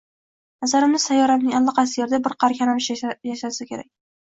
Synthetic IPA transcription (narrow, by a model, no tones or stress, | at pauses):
nazaɾɪmnɪsajːɒɾanɪŋʲalˠːɒqʰɑsɪjeɾɪd̪abɪɾqʰɑɾkʲʰanamɪʃjaʃasɪkʲe̞ɾakʲ